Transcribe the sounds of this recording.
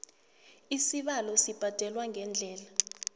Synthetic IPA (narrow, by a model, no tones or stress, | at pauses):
isiɓalɔsib̥ʱad̥ʱɛlwaŋʱɛnd͡ɮʱɛːla